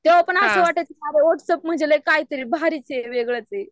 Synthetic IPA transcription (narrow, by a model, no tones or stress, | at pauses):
t̪eʋapəɳasəʋaʈat͡semaɾeʋɔʈsəp̚m̤əd͡ʑeləjkait̪əɾiːbʱaɾit͡ɕeɾʋeɡɭat͡se